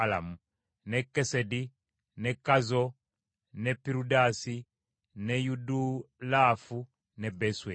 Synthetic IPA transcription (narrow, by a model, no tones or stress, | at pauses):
ala̰mu | nɛkɛsɛdi | nɛkazɔ | nɛpiɾudasi | nɛjudulafu | nɛbɛswɛ